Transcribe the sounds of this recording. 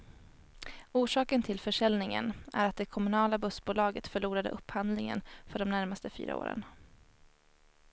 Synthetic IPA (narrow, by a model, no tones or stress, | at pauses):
uːʂɑːkənt̪ʰɪlfœʂɛlnɪŋə̰næ̰ɾat̪̚d̪ɛkʰɔmɵnɑːlabɵsbuːlɑːɡət̪fœɭuːɾad̪ə̰ʔɵpːhand̪lɪŋə̰nfœɖɔmnæɾmast̪əfy̰ːɾa̰o̰ːɾə̰n